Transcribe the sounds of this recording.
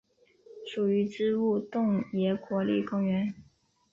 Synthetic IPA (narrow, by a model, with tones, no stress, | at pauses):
ʂu˨˩y˧˥ʈ͡ʂɻ̩˥u˥˧t̪ʊ˥˩ŋjɛ˧˥kwɔ˧˥lḭ˥˩kʊ˥ŋɥɛ˧˥n